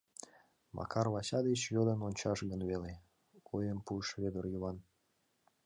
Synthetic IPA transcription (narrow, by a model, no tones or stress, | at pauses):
mɑ̰kɑrlɑɕɑd̪et͡ɕjød̪ənonʲt͡ɕɑʃɣənβele | ojəmpuəʃβed̪ərjyβɑn